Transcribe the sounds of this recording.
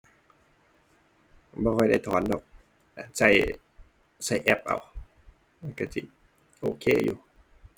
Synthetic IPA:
bɔː˧kʰɔ˧˩jda˥˩jt̪ʰɔː˨˦ndɔː˨˩k̚ | ʔa˨˩nsa˧˩j | sa˧˩jʔɛ˧˩p̚ʔa̰˧˩˨w | a˧˨nka˧˩si˧˩ | ʔoː˧kʰeː˧˩˨jṵː˧˦

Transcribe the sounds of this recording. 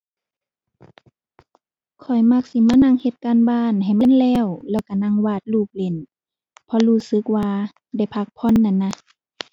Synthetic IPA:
kʰɔ˨˩jma˧k̚si˧˦maː˧˥˨na˧˨ŋhe˧˦t̪̚kaː˧˥˨nbaː˧˨nɦa˨˩jma˧˥˨nlɛː˧˥˨wlɛː˧˩wka˧˩na˧˥˨ŋwaː˧˩t̪̚luː˧˩k̚le˧˨n | pʰɔ˧˦luː˧˩sɯ˧˦k̚waː˧ | da˧˩jpʰa˧k̚pʰɔ˧˥˨nːa˧˨nːa˧

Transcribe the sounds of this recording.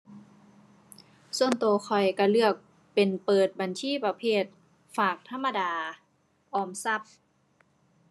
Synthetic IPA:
su˧ənt̪oː˨˧xʰɔ˨˩jka˧˩lɯ˥˩ək̚ | pe˨npɤː˨˩t̪̚ba˨nsʰiː˧˥˨pa˧pʰeː˥˩t̪̚ | faː˨˩k̚t̪ʰa˧˥mːa˧daː˨˧ | ʔɔː˧˩msa˧˥˩p̚

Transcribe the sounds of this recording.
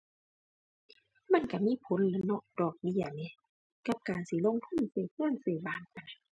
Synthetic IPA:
ma˧˥˨nka˧˩miː˧˥˨pʰo˨˦nlɤː˧˦nɔ˧˩ʔdɔː˧˩k̚bi˧˩˨ɐni˧˦ | ka˧˦p̚kaː˨nsiː˧˨lo˧˥˨ŋt̪ʰu˧˥˨nseː˧˩kʰɯ˧˥˩ə˨nseː˧˩baː˧˩nʔa˨n˧

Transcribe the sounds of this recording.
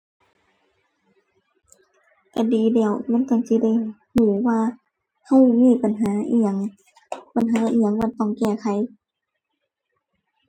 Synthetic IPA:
ka˧˩diː˨˦dɛː˧˩wma˧˥˨nt̪ɔ˧˨nsi˧˦da˧˩˨j | huː˨˩˦waː˧ | ha˧˩wmiː˧˨pa˨nɦaː˨˦ʔi˧˨ŋ | pa˨nɦaː˨˦ʔiː˧˩ə˨ŋmaː˧˨nt̪ɔ˧˩˨ŋkɛː˧˩kʰa˨˦j

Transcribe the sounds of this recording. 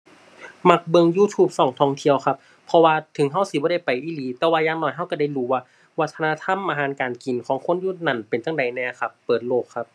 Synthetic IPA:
ma˧˥˩k̚bɤ˧ŋjuː˧˥˩t̪ʰuː˧˩p̚sɔː˨˩˦ŋt̪ʰɔː˧˩˨ŋt̪ʰi˧əwkʰa˧˥pʰɔ˧waː˧t̪ʰɯ˨˦ŋɦa˧˥˩wsi˧bɔː˧˦ɾa˧˥˩jpa˨jʔiː˧˩liː˨˦t̪ɛː˧˦waː˧jaː˧˨ŋnɔː˧˩jɦa˧˥˨wka˧˩da˧˩˨jluː˧˦waː˧ | wa˦˥t̪ʰːa˧naː˧˥˨t̪ʰa˧˥˨mʔaː˨˧ɦaː˨˦nkaː˨nki˨˩nkʰɔː˨˦ŋkʰo˧˥˨njuː˧˩na˧˩npe˨nt͡ɕa˧˩ŋda˨˩jnɛː˧˩kʰa˧˩pːɤː˨˩t̪̚loː˧˩kʰːa˧p̚

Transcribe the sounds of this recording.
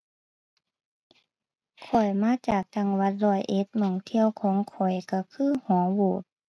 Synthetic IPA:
kʰɔ˨˩jmaː˧˥˨t͡ɕaː˨˩k̚t͡ɕa˧˩ŋwa˧˥t̪̚lɔː˧˩jʔe˧˦t̪̚mɔː˧˩ŋt̪ʰi˧˥˨əwkʰɔː˨˦ŋkʰɔ˨˩jka˧˩kʰɯː˥˨hɔː˨˦ŋwoː˨˩t̪̚

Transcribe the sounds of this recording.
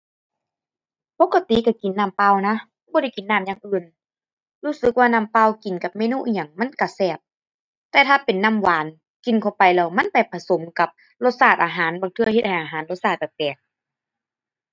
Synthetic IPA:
po˧˥kːa˧t̪i˨ka˧˩ki˨nːaː˧˩˨mpa˧˨wna˧˥bɔː˧ɾa˧˩jki˨nːaː˧˩˨mjaː˧˨ŋʔɯː˧˩˨n | luː˧˥˨sɯ˧˦k̚waː˧naː˧˨mpa˧˨wki˨˩nka˧˦p̚mɛː˧˥˨nuː˧˨ʔi˧˨ɲa˨˩ŋma˧˥˨nka˧˩sɛː˧˩p̚ | t̪ɛː˧t̪ʰaː˧pe˨nːa˧˥˨mwaː˨˦n | ki˨nkʰa˧˩˨pa˨jlɛː˧˩wma˧˥˨npa˨jpʰa˧˨so˨˦mka˧˦p̚ | lo˧t̪̚saː˧˩t̪̚ʔaː˨˩ɦaː˨˦nbaː˨ŋt̪ʰɯ˧ɐhe˧t̪̚ha˧˨˩jʔaː˨ɦaː˨˦nlo˧t̪̚saː˧˩t̪̚ba˧˩kɛː˨˩k̚

